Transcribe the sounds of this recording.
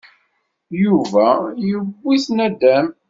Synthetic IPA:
juvæjəbːiθnæd̪æm

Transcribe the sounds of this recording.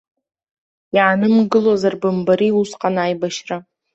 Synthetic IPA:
jaanɨmɡɨlozarbɨmbaɾiusqʼanaːjbaʃra

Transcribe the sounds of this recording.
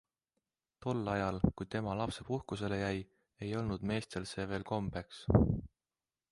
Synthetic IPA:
t̪o̞lːɑjɑlkujt̪e̞mɑlɑpse̞puhkuse̞le̞jæj | e̞jo̞lnud̪̥me̞ːst̪e̞lse̞ːve̞ːlko̞mbe̞ks

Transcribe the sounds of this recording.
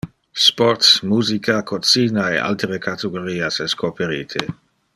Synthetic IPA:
spɔɾt̪smuːzikʰakʰot͡siːnaḛʔa̰lt̪eɾekʰat̪eɡoɾiːasɛskʰopʰeɾiːt̪ʰe

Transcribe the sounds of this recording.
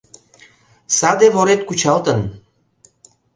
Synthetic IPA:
sad̪evɔɾɛt̪̚kut͡ʃalˠt̪ən

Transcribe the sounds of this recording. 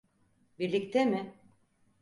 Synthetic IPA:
biɾlʲict̪ʰemɪ

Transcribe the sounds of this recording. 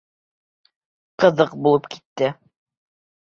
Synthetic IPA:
qɤ̆ðɤqbulˠɤpki̥t̪ːɘ

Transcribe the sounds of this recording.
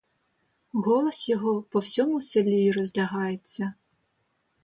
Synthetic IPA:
ɣɔlˠɔsjɔɦɔpɔwsʲɔmʊselʲːiːrɔzʲlʲɐɦɑjet͡sʲːɐ

